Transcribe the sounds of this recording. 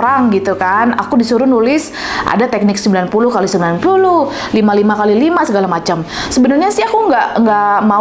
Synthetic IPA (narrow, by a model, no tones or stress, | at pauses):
ɾaŋɡit̪ukana̰kudisuɾʊnulɪs | ʔa̰dat̪ɛk̚nɪksəmbilanpulʊhkalisəmbilanpulʊh | limalimakalilimasəɡalamat͡ʃamsəbənarɲasɪakuəŋɡaʔəŋɡaʔma